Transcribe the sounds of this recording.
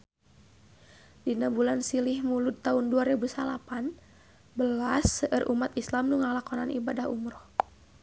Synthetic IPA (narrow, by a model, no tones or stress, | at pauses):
dinabulansilihmulut̪ːaunduaɾɛbusalapan | bəlasəʔərʔumat̪islamnuŋalakɔnanʔibadahumɾɔh